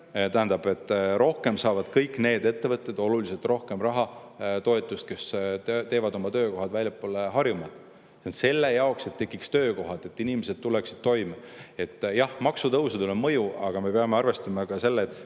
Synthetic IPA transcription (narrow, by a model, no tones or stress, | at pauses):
t̪æɦænd̪ɑb̥e̞t̪ːˑɾo̞hke̞msɑːvɑd̪̥kɤjkːˑne̞ːd̪e̞t̪ːe̞vɤt̪ːˑe̞d̪o̞lulise̞lt̪ˑro̞hke̞mrɑɦɑt̪o̞et̪ːˑust̪̚ke̞st̪t̪e̞ːvɑd̪o̞mɑt̪ø̞ːko̞ɦɑd̪̥vælʲjɑpːˑoːleɦɑrjumɑd̪̥ | sent̪se̞lːe̞jɑokse̞t̪ːe̞kːˑikst̪øːko̞ɦɑd̪e̞t̪ːˑinimese̞d̪̥̚t̪uleksi̥d̪̥̚t̪o̞jmɑe̞t̪ːˑjɑhmɑksut̪ɤwsed̪ulomɤjuɑɡ̥ɑme̞peɑmeɑrve̞st̪ɑmɑkɑse̞lːeːt̪ːˑ